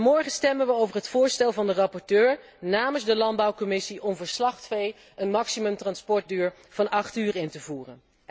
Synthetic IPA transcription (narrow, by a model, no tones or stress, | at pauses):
mɔɹχənstɛmənʋəowvəɹɦətfʊːɹstɛlˠvɑndərɑpɔɹtøːɹ | naːməzdəlɑnd̚bɑwkɔmɪsiʔɔmvəɹslɑχtfej | ənmɑksimɵmtrɑnspɔɹt̚dyːɹ | v̥ɑnɑχtyːrɪntəvuːrən